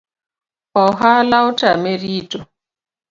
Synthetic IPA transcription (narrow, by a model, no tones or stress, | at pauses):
ɔɦalaʊtameɾito